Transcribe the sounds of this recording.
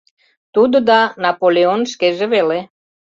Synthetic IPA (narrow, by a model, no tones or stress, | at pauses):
t̪ud̪od̪anapoleonʃkeʒəʋele